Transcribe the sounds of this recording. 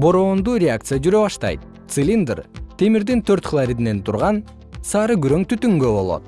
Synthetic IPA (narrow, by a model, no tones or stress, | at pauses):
bo̞ɾo̞ːnd̪uːɾʲeakt̪sɨjad͡ʒyɾø̞βɑʃt̪ɑ̰jt̪̚ | t̪sɨlʲind̪rt̪ʰe̞miɾd̪int̪ʰø̞ɾt̪χʰəlˠaɾʲid̪ine̞nt̪ʰuɾʁɑn | sɑːɾɯɡyɾøŋt̪ʰyt̪yŋɡø̞bo̞lˠo̰t̪̚